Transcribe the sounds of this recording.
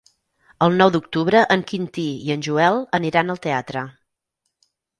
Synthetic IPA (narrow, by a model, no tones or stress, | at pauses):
əlˠnɔwðuk̚t̪uβɾəʔəŋkint̪iiənʲʒuɛlˠəniɾanəlˠt̪eat̪ɾə